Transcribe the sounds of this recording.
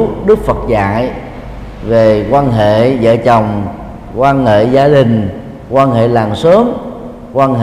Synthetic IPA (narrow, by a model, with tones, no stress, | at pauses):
ɗɨ˦˥k̚fə˨˩t̚za̰ː˧˨j | ve˨˩kwaː˧nɦḛ˧˨zə̰ː˧˨t͡ɕə˨˩wŋ͡m | kwaː˧nhḛ˧˨zaː˧ɗï˨˩ŋ̟ | kwaː˧nɦḛ˧˨laː˨˩ŋsəː˨˦m | kwaː˧nɦe˨